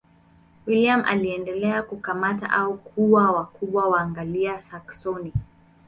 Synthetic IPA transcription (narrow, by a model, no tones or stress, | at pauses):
wiliamʔa̰liɛndɛlɛakukamata̰ʔaukʰuwawakuɓwawaːŋɡaliasaksɔni